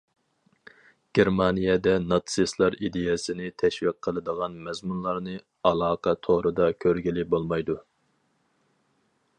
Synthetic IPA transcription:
ɡ̥ʲeɾmɑnijɛd̪ɛnɑt̪sɨslˠɑɾid̪ejɛsɪnɪt̪ʰɛʃwiq̚ʰːəlˠɨd̪əʁɑnmɛzmunlˠɑɾnɨ | ɑlˠɑːqʰɑt̪ʰoɾɨd̪ɑkʲʰøɾɡʲilɪbolˠmɑjd̪u

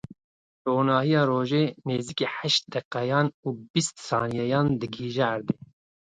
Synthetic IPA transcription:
t̪oːnɑːhijɑːɾoːʒeːneːzikeːħæʃt̪̚d̪ɛqːɛjɑːnuːbist̪sɑːnijɛjɑːnd̪ɨɡiːʒɛːɾd̪eː

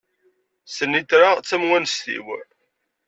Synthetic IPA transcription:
sənit̪ɾaʁt͡sːæmwænst̪ḭw

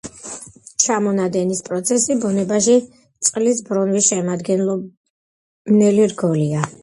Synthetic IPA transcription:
t͡ʃʰamɔnad̪ɛnispʼɾɔt̪sʰɛsibɔnɛbaʃi | t̪sʼqʼlisbɾɔnvisʃɛmad̪ɡɛnlˠɔ | nɛliɾɡɔlia

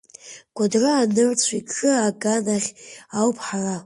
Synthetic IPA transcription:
ɡ̥ʷadrɨːnɨrt͡sʷʰikːɨaɡanaχʲawpʰħara

